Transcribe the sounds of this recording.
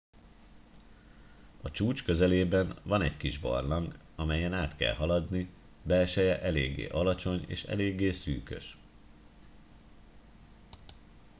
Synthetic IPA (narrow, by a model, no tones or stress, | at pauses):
ɒt͡ʃuːt͡ʃkø̞zɛleːbɛɱvɒnɛckiʒbɒ̰rlɒŋɡ | ɒmɛjɛnaːt̪kɛ̰lɦɒlɒd̪ni | bɛlʃɛjɛʔɛlḛːɡːḛːʔɒlɒt͡ʃo̞ɲḛːʃɛ̰leːɡːeːsy̰ːkø̞̰ʃ